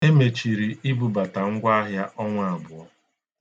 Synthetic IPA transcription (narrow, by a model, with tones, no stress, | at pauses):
e˦me˨t͡ʃi˨ɾi˨i˦bu˨ba˨ta˨ŋ̩˦ɡʷa˦a˦ɦja˦ʔɔ˦ŋʷa˦˨a˨bʊ˨ɔ˦